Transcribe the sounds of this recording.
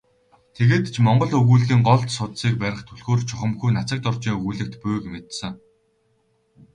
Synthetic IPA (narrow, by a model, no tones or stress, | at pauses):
t̪ʰeɣeːt̪t͡ɕʰmɔɴɢɞ̆ɮɵɣuːɮɣiːŋɢɔɮt̪sʊt̪siːk̚pæɾʲɪ̆χt̪ʰɵɮɣoːrt͡ɕʰʊχə̆mxujnat͡sə̆k̚t̪ɔrt͡ɕiːŋɵɣuːɮɘ̆k̚t̪pʊjkmet̪sɘ̆ŋ